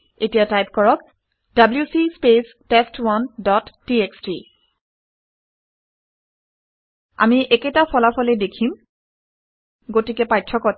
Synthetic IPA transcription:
etijatajp̚kɔɹɔk | dabljusispes | testwandɔtːieksti | a̰miʔɛketapʰɔlapʰɔlɛdekʰim | ɡotikɛpajtʰːɔkɔt

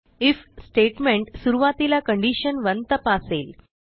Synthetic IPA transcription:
ifsʈeʈmẽɳʈsuɾuʋat̪ilakəɳɖiɕənʋənt̪əpasel

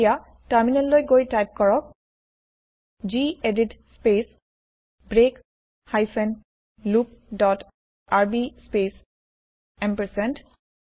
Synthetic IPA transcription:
ja | taɹminɛlːojɡojtajp̚kɔɹɔk̚ | d͡ʒieditspes | bɹek | hajsɛn | lup̚dɔt | aɹbispes | ɛmpəɹsɛnt

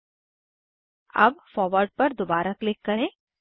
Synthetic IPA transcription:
ɐ̰bfɔːɾʋəɾɖ̚pɐɾd̪obaːɾaklɪkːɐɾẽː

